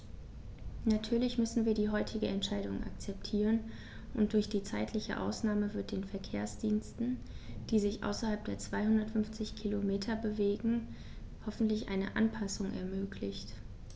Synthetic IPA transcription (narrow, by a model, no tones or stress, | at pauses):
natʰyːɐlɪçmʏsn̩viːɐdiːɦɔʏtʰɪɡəɛntʃaɪɾʊŋʔa̰k̚t͡sɛp̚tʰiːʁ̞ən | ʔʊnt̚d̥ʊɐçd̥iːt͡saɪtʰlɪçə̰ʔa̰ʊsnaːməvɪɐt̚d̥eːnfɛɐkʰeːɐsd̥iːnstn̩ | d̥iːzɪçʔa̰ʊsɐhalp̚d̥eːɐt͡sv̥aɪhʊndɐtfʏnft͡sɪçkʰilomeːtʰɐbəveːɡŋ̩ | hɔfn̩tlɪçʔa̰ɪnə̰ʔa̰npʰasʊŋɛ̰ɐmøːkʰlɪçt